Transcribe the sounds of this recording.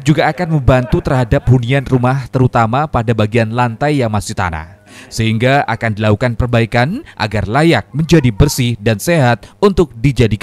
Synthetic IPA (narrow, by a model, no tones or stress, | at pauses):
d͡ʒuɡaːkanməmbant̪ut̪ərɦadap̚hunianrumaht̪əɾut̪amapadabaɡianlant̪ajːaŋmasɪt̪a̰na̰hsəɦiŋɡaa̰kandilakukanpərbaikanʔa̰ɡarlajak̚məɲd͡ʒadibərsɪhdanseɦat̪̚unt̪ʊk̚did͡ʒadik